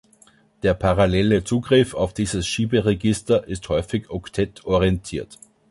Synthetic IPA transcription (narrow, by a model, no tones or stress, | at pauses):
d̥eːɐpʰaʁalɛlət͡suːɡʁɪfaʊfd̥iːzəsʃiːbəʁeɡɪstɐʔɪsthɔʏfɪçɔktʰɛtʰɔʁiɛntʰiːɐt